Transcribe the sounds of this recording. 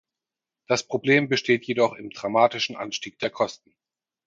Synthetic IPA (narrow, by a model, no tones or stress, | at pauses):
d̥aspʁ̥obleːmbəʃteːtʰjedɔχɪmdʁamaːtɪʃn̩ʔa̰nʃtiːk̚d̥eːɐkʰɔstn̩